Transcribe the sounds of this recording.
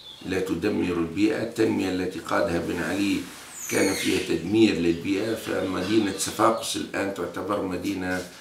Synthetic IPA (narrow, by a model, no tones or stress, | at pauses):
lat̪ʊd̪amːɪɾɪlbiːʔa̰t̪ːanmɪjaʔlːat̪iqɑːd̪habɪnʕa̰li | kaːnfiːhat̪ad̪miːɾlɪlbiːʔafa̰mad̪iːnasafɑːqʊ̥sɪ̰lʔaːnt̪ʊʕt̪abɑɾˤmad̪iːna